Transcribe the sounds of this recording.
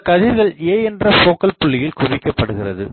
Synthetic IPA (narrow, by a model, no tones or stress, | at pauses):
kɐðɪɾɣɐɭeːɛndrɐfoːkɐlpʊɭːɪjɪlkʊʋɪkːɐpːɐɽɯɣɪrɐðɯ̰